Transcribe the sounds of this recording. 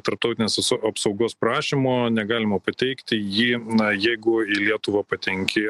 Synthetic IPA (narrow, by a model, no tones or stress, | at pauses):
t̪ɐɾp̚t̪ɐʊt̪ʲɪnʲeːsɐsɐpsɒʊɡoːspɾɑːʃʲimoːnʲɛɡɑːlʲɪmɐpɐt̪ʲɛɪkt̪ʲɪjiːɐjɛɪɡʊɪlʲiɛt̪ʊʋɐpɐt̪ʲɛŋʲkʲɪ